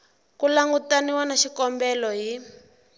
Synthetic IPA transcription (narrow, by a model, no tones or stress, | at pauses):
kulaŋɡutaniwanaʃikɔmbɛlɔɦi